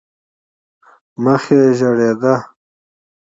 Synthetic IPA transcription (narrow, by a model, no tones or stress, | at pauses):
məxeʒɐɽed̪a